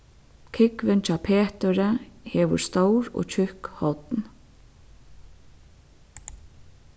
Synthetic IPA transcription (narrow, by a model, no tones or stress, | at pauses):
kʰɪkʋɪnt͡ʃʰaːpʰeːt̪əɾəhɛːʋʊ̰ɾst̪owɹo̰ːcʰʏhkhɔt̪n